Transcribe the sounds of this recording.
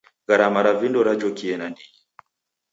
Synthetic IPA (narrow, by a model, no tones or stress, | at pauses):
ɡaɾamaɾavindɔɾad͡ʒɔkiɛnanii